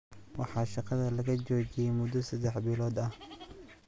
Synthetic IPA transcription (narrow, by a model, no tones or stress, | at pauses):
wɑħɑːʃɑqɑðɐlɐɣɐt͡ʃɔːt͡ʃɪjɛjmʊd̪ɔsɐd̪ɛħbɪlɔːd̪ɐh